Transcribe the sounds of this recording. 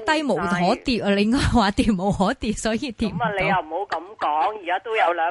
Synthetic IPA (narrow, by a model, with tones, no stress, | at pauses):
t̪a˧jmo̰˨w̪ɦɔ˨˦t̪i˨˩˨lə˨˩˦ŋŋɔː˧˩hwaː˨˩˦t̪i˨˩mːo̰˨˩whɔ˨˩˦t̪i˨˩sɔ˨˦ji˧˥t̪i˨˩mː˨˩le˨˦ha˨˩wmo˨˥˦wkɐ˨˦mkɔː˨˧˥ŋi˨˩aː˨˧t̪u˧ja˨˧˩ləː˨˦